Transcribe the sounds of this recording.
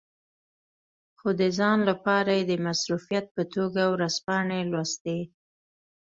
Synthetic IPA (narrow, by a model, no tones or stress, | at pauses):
xod̪əzɑnlapɑɾajed̪əmasɾufijat̪̚pət̪oɡawɾaspɑɳelwast̪e